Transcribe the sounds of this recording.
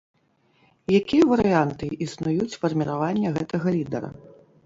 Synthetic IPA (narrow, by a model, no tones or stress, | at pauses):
jakʲijɐvɐɾɨjant̪ɨʔisnujut͡sʲfɐrmʲiɾavanʲːɐɣɛt̪ɐɣɐlʲid̪ɐ̰ɾɐ̰